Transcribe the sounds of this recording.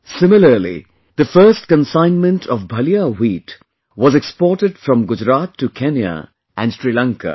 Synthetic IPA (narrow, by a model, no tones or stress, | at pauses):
sɪmɪləɾlḭ | d̪̥əfɜɾsʈ̚kə̃nsãɪ̃nmə̃nʈʰɔvbʱʌliawiːt | wɔzɛkspɔːʈɪɖ̥fɾɔ̃mɡʊd͡ʒɾat̪tːukʰɛ̃nja̰ | ʔæ̃nsɾilãŋkə̰